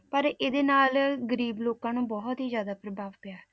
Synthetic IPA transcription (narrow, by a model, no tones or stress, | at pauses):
pəɾɪd̪eːnaːlɡəɾiːbloːkãːnũːbɔɦt̪ɦiːzjaːd̪aːpɾəbʱaːʋpɪjaː